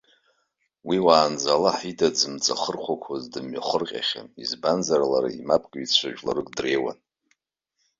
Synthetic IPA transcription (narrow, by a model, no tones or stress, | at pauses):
wiwaːnd͡zalaħidʼad͡zɨmt͡sʼa̰χərχʷakʷʰazdɨmɥaχərqʲʼa̰χʲa̰izbanzarlaɾa̰imapʼkʼit͡ɕʷʰaʒᶣʼla̰rɨkʼdre̞jwa̰n